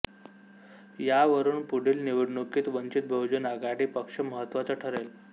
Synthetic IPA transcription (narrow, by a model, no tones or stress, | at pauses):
jaʋəɾuːnpuɽ̤iːlniʋəɽɳukiːt̪ʋənt͡ɕit̪̚bʱəwd͡ʑunaɡaɽiːpəkʂəməɦət̪ːʋat͡səʈʰəɾel